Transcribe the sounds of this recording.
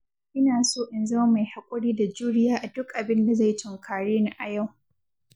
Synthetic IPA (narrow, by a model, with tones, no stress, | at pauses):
ʔɪ˦naː˨soː˦ʔɪ˨nzɐ˦a˦ma˨jha˨kʷʼʊ˦ɽiː˦da˨d͡ʒuː˦ɽɪ˦jaː˦ʔa˨dʊ˦kʔa˨bɪ˦nda˨za˦˨jtʰʊ˨ŋkʰaː˨ɽeː˦na˦˨ʔa˨ja˦˨w